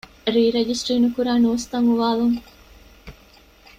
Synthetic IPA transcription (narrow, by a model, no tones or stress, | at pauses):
ɾiːɾed͡ʒisʈɾiːnukuɾaːnuːst̪ɐŋuʋaːðuŋ